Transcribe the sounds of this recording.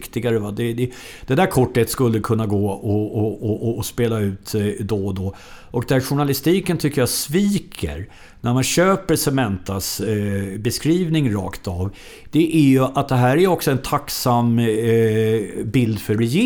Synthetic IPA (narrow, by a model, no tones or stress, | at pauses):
kt̪ɪɡaɾəvad̪ɛd̪ɛ | d̪̥ɛd̪æɾkʰɔʈːhet̪skɵlːəkʰɵnːaɡoːɔɔɔːspeːlaʉ̟ːt̪d̪ɔd̪ɔ | ʔɔk̚d̪æɾɧʊɳalɪst̪iːkənt̪ʰʏkːəjasviːkʰə̰ɾ | næɾmanɕøːpəɾsɛmɛnt̪as | bɛskɾiːvnɪŋɾɑ̰ːkt̪av | d̪̥ɛʔæɾjɵʔat̪̚d̪ɛɦæːɾæjɔksɔɛnt̪ʰaksam | bɪld̪fœɾɛje